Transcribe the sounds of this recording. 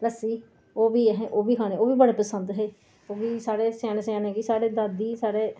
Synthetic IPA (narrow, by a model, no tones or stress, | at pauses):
ləsiː | oːʋiːɦeʔoːʋiːkʰaːneːoːʋiːbəɽeːpəsənd̪ɦeː | oːʋiːsaːɽeːsaːnesaːneːɡiːsaːɽeːd̪aːd̪iːsaːɽeː